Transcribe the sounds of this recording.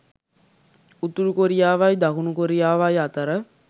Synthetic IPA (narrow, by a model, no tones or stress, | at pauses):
ut̪ulukoɾijaːʋajd̪ɐkunukoɾijaːʋajat̪əɾə